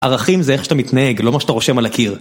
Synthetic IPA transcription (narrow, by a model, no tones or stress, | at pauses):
ʔaʁaχimzeeχʃat̪amit̪naeɡlo̞maʃat̪aʁoʃemalakʰiʁ